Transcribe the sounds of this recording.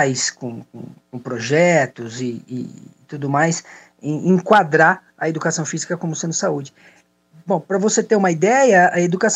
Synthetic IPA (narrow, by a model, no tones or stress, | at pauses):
jskõkõ̰kõpɾoʒɛt̪ʊzɪ̰ːt̪ud̪ʊmajs | ẽẽkwad̪ɾa | ɐed̪ukasɐ̃w̃fizikɐkõmʊsẽnɪsaud͡ʒɪ | bõw̃pɾɐvoset̪eũmɐid̪ɛjɐɐed̪ukas